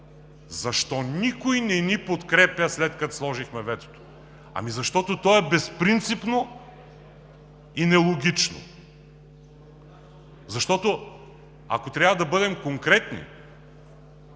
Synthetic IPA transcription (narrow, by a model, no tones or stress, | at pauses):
zɐʃt̪ɔnikojnɛnipot̪kɾɛpjɐslɛt̪kɐt̪slˠɔʒixmɛvɛt̪o̥t̪o̥ | ɐ̰mizɐʃt̪ɔt̪ot̪ɔɛbɛspɾint̪sipno | inɛlˠoɡʲit͡ʃno̰ | zɐʃt̪ɔt̪o | a̰kot̪ɾʲjavɐd̪ɐbɤd̪ɛmkoŋkɾɛt̪nḭ